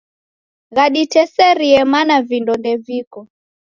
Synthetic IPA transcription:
ɣaɗitɛsɛɾiɛmanavindɔndɛvikɔ

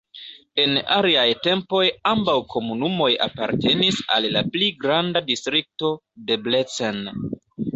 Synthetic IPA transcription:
e̞na̰liajte̞mpo̞jambawkʰo̞munumo̞ja̰paɾte̞nisa̰lːapliɡɾandadistɾik̚to̞de̞ble̞t͡sen

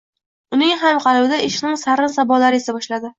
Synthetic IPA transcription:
ʊnɪŋɦamqʰɑlˠbɪd̪aɪʃnɪŋsaɾɪnsabɒlaɾɪesabɒʃlad̪ɪ

